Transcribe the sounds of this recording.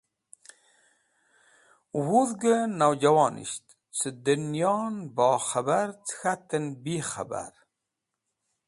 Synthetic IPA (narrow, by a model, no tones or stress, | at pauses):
wuðɡənawd͡ʒawɑːnʔḭʃt̪ | t͡sʰəd̪ənjɑːnbɑːxabaɾt͡sxat̪ənbixa̰ba̰ɾ